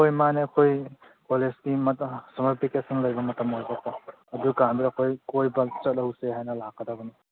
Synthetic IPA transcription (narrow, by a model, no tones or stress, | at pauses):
ojmaneɐkʰoj | kolesɡimsɐmaɾpʰikesɐnlɐjbɐmɐtɐmojbɐkʰo | ɐdukambiɾɐkʰojkojbɐt͡ʃɐt̚lɐwseɦajnɐlakːɐdɐbɐni